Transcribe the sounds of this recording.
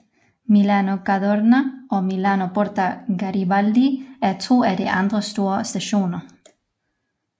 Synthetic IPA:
milanoɡ̥aðoɾnaʔɔ̽milanob̥ɔɾdaɡ̥aɾibald̪iæɐt͡sʰo̝̰ːæd̥iʔɑnd̥ʁəsd̥o̝ːɐsd̥æɕo̝̰ːnɐ

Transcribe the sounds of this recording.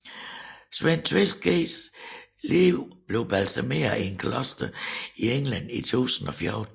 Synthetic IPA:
sʋen̰t͡sʰʋesɡɡ̥eːs | liʊb̥le̝ʊb̥ælsæme̝̰ːɐie̝nkʰlɒsd̥ɐieŋlæn̰it͡sʰṵːsn̩ɒ̽fjɔːd̥

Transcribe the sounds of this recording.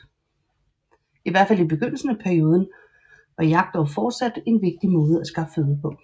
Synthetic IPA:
iʋæɐ̥fæl̰ib̥e̝ɡ̥øn̰l̩sən̩əpʰæɐio̝ːð̞ˠn̩ | ʋɑ̈jɑ̈ɡ̥̚d̥ɒʊfɒːd̥sæd̥e̝nʋe̝ɡ̥̚d̥imɔ̽ːð̞̩ˠəæsɡ̥ɑ̈fəføːðˠɐpʰɔ̽

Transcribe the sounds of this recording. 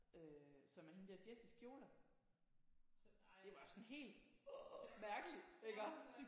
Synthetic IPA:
øsɒ̽mæɐhe̝nd̥eɐd̥jesisɡ̥jo̝ːlɐ | d̥e̝ʋɑ̈sɒ̽nɦe̝̰ːld̥ | mæɐɡ̥əli̥eɡ̥ɐ

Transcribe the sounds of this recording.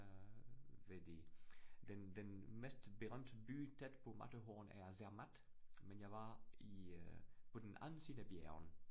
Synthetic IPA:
vedid̥ɛndɛnmɛstbəʁœmtbyːtʰɛtpoma̰təɦoːnɛ̰zɛɐʁmatmɛnjavai | podenʔa̰nsinəbjɛ̰ʁn

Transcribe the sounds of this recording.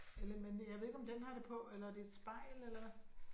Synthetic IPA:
elɐmenjɑ̈ɪʋe̝ðˠeɡ̥ɒ̽md̥enɦɑ̈ɾ̥e̝pʰɒ̽elɐæɐd̥e̝ːd̥sb̥ɑ̈ɪ̰lelɐ

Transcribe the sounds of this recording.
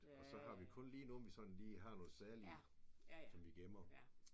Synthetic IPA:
ɒ̽sɒ̽hɑ̈ʋikʰɔ̽nliːnoːnʋisɒ̽n̥n̩liːɦɑ̈nɔːð̩ˠsæɐliɐ | sɒ̽mʋiɡ̥emɐ

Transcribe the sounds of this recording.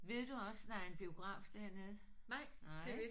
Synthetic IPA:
ʋe̝ð̞̰ˠd̥uɒ̽sd̥ɑ̈æɐe̝nb̥io̝ɡ̥ʁɑ̰̈ːfd̥æɐ̰ne̝ð̞̩ˠ | nɑɪ̰ne

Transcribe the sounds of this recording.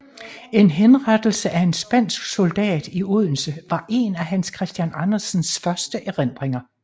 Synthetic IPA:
e̝nɦenʁad̥l̩səʔæe̝nsb̥æn̰sɡ̥so̝ld̥ɛ̰ːd̥iuðˠn̩səʋɑ̈ʔe̝næɦænskʰʁɛsd̥jænɑnɐsnsfɶɐsd̥əʔæʁen̰d̥ʁeŋɐ

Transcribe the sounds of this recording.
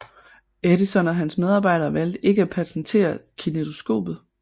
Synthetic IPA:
eɾisɒ̽nɒ̽ɦænsmeð̞ˠɑ̈ːbɑ̈ɪ̰ɾɐːʋæl̰d̥e̝ɡ̥əæpʰæsn̩t͡sʰe̝̰ːɐkʰinedo̝sɡ̥o̝̰ːb̥ð̩ˠ

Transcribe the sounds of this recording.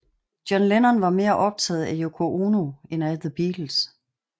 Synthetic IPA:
d̥jɒ̽nlenɐnʋɑ̈me̝ːɐʔɒ̽b̥̚t͡sʰɛːð̞̩ˠæjokʰo̝ʔoːno̝enæðəb̥iːl̥l̩s

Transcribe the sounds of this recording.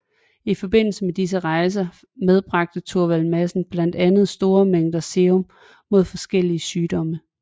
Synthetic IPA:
ifɒ̽b̥e̝n̰l̩səmed̥is̬əʁɑ̈ɪs̬ɐ | með̞ˠb̥ʁɑ̈ɡ̥̚d̥ət͡sʰoɐʋælmæsn̩b̥læn̰d̥ænð̞̩ˠsd̥o̝ːɐmeŋ̰d̥ɐse̝om | mo̝ð̞̰ˠfɒ̽sɡ̥el̰iəsyːd̥ɒ̽mə

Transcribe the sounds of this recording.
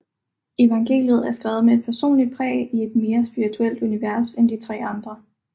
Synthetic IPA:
e̝ʋɑ̈ŋɡ̥e̝̰ːljəð̞̩ˠæɐsɡ̥ʁɛːʊð̩ˠmee̝d̥̚pʰæɐso̝̰ːnlid̥̚pʰʁɛ̰ːie̝d̥me̝ːɐsb̥iʁit͡sʰuel̰d̥uniʋæɐsend̥it͡sʰʁɛ̰ːɑ̈nd̥ʁɐ

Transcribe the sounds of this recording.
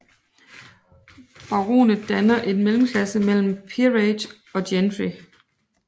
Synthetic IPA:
b̥ɑ̈ʁo̰ːnəd̥ænɐʔe̝nmelm̩kʰlæsəmel̰m̩pʰiʁed̥ | ɒ̽d̥jenfi

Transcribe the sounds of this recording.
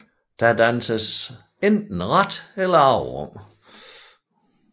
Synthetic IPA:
d̥æd̥ænsəs | end̥n̩ʁad̥elɐɑ̈ʊʁɔ̰m̰

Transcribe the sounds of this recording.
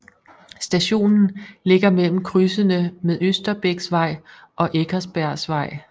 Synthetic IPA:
sd̥æɕo̝̰ːnn̩le̝ɡ̥ɐmel̰m̩kʰʁysənəmeðˠøsd̥ɐb̥eɡ̥sʋɑ̈ɪ̰ | ʔɒ̽ʔeɡʰɐsb̥æɐ̰sʋɑ̈ɪ̰

